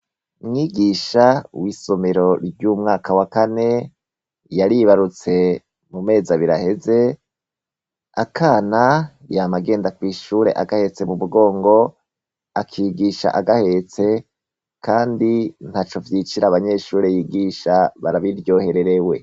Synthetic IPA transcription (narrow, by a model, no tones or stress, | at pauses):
mŋiːɡiːʃawiːso̞meɾo̞ɾjumŋaːkʰawakane̞ | jaɾiβaɾut͡se̞ | mume̞ːzaβiɾahe̞ze̞ | akʰaːna | jamaɡe̞ːndakwiːʃuːɾe̞̰ʔaɡahe̞t͡se̞muβuɡo̞ːŋɡo̞ | akʰiɡiːʃa̰ʔaɡahe̞t͡se̞ | kʰaːndin̥hat͡ʃo̞vjit͡ʃiɾaβaɲe̞ʃuːɾe̞jiːɡiːʃaβaɾaβiɾjo̞ːhe̞ɾe̞ɾewe̞